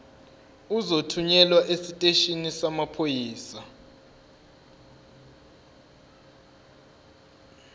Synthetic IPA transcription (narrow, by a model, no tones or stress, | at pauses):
uzotʰuɲɛlwaʔesitʼeʃinisamapʰojiːsa